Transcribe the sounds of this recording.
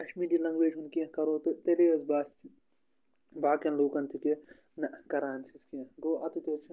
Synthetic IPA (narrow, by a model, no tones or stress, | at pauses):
kɐʃmiːdilɐŋɡʋeːd͡ʒunkiɐ̃kɐɾoːt̪t̪eleːɐzbaːst̪ʰi | baːkɐnloːkɐnt̪ʰike | nɐkɐɾaːnsiskiɐ̃ɡoːʔɐt̪it̪eːɾt͡ʃʰi